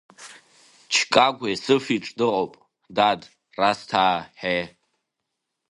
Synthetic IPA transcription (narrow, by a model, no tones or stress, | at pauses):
t͡ʃʰkʼaɡʷajsɨfiʈ͡ʂʼdɨqʼopʼ | dad | rastʰaːħe